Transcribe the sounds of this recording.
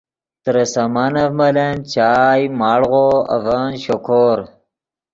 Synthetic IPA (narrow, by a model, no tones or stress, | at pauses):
t̪ɾɐsɐmanɐvmɐlent͡ɕaːjmaːɽʁoɐ̰vaːnɕokʰoːɾ